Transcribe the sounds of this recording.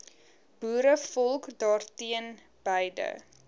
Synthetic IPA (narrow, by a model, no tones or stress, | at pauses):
b̥uːɾəfɔlˠkdɑːrtiən | b̥əjdə̰